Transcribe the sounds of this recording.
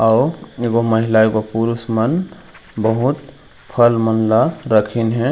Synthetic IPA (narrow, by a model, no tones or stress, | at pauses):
aːeɡoməɦɪlaekopuɾusmən | bəɦʊt̪ | pʰəlmənlaɾəkʰinɦɛ̃